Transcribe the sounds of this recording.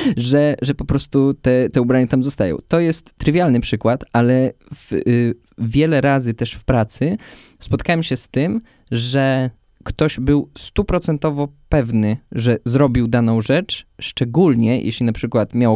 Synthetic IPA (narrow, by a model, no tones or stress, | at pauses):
ʐɛʐɛpɔpɾɔst̪ut̪ɛt̪ɛubɾaɲat̪amzɔst̪ajɔ̰̃w̃t̪ɔjɛst̪ːɾɘvʲjalnɘpʂɘkwat̪alɛv̥ | vʲjɛlɛɾazɘt̪ɛʂfpɾat̪sɘ | spɔt̪kawɛmɕɛst̪ɘm | ʐɛ | kt̪ɔʑbɘwst̪upɾɔt̪sɛnt̪ɔvɔpɛvnɘʐɛzɾɔbʲiwd̪anɔ̃w̃ʐɛt͡ʂʂt͡ʂɛɡulɲɛjʔḛɕlʲinapʂɘkwat̪mʲjaw